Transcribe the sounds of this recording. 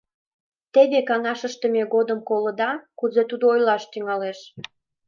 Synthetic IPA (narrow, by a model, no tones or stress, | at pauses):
t̪eβekɑŋɑʃəʃt̪əmeɣod̪əmkolə̆d̪ɑkuzet̪ud̪oojlɑʃt̪yŋɑleʃ